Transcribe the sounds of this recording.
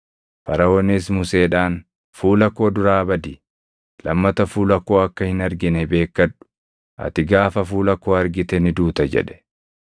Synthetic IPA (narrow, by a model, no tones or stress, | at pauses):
fɐɾɐwɔnis̬mʊse̞ːᶑaːn | fuːlɐkːo̞ːd̪ʊɾaːbɐd̪ɪ | lɐmːɐt̪ɐfuːlɐkːo̞ːɐkːɐhɪnɐɾɡɪnɛbe̞ːkːɐᶑʊ̥ | ʔɐ̰t̪ɪɡaːfɐfuːlɐkːo̞ːɐɾɡɪt̪ɛnɪd̪uːt̪ɐd͡ʒɛ̰ᶑɛ̥